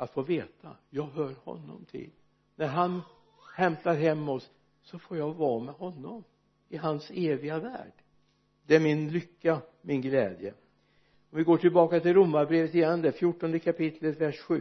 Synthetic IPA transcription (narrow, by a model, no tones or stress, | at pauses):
at̪foːveːt̪a̰jɑːɡɦœːɾhɔ̰nːɔ̰mt̪ʰɪ̰l | næɾɦan | ɧɛmt̪aɾɦɛmːɔs | sɔfoːɾjaɡvɑːmɛɦɔnːɔm | ɪɦanseːvɪɡavæ̰ːɖ̥ | d̪ɛæɾmɪnlʏkːamɪnɡlɛ̰ːd̪jə̰ | ɔmvɪɡoːʈʰɪlbɑːkat̪ɪlɾʊmːaɾbɾeːvət̪ɪjɛnːd̪ɛfjʊʈːɔnd̪əkʰapɪt̪ʰlət̪væʂɧʉ̟ː